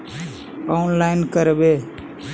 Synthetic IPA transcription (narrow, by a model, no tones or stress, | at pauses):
aʊnlaɪnkəɾbe